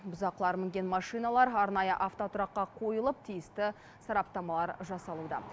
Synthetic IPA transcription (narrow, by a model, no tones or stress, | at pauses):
bʊzɑqlˠɑɾmɪŋɡʲe̞nmɑʂijnɑlˠɑɾɑɾnɑjəʔaft̪o̞t̪ʰʊɾɑqːɑqʰo̞jəlˠəp̚t̪ʰijɪst̪ɪ | sɑɾɑp̚t̪ɑmɑlˠɑɾʒɑsɑlˠud̪ɑ̰